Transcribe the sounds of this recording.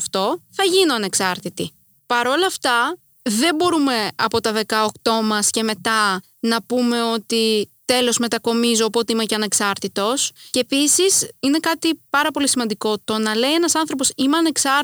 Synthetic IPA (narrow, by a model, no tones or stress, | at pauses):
ft̪o̞θɐʝinoɐne̞ksɐɾt̪it̪i | pɐɾo̞lɐːft̪ɐ | ðe̞mbo̞ɾume̞ɐpo̞t̪ɐðe̞kɐokt̪o̞mɐsce̞me̞t̪ɐ | nɐpume̞o̞t̪it̪e̞lo̞zme̞t̪ɐko̞mizo̞ɐpo̞t̪eimeceɐneksɐɾt̪it̪o̞sceːpisisine̞kɐt̪ipɐɾɐpo̞lisimɐnd̪iko̞t̪o̞nɐle̞ie̞nɐsɐnθɾo̞po̞simeɐne̞ksɐ